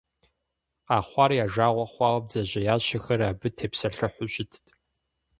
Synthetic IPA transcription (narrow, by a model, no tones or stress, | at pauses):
aːχʷɑːrjaːʒaːʁʷɐχʷɑːʁɐb̚d͡zɐʑɐjaːɕɐxɐɾaːbɨtʰeːpsɐɬɨħʷʊɕɪtʰtʰ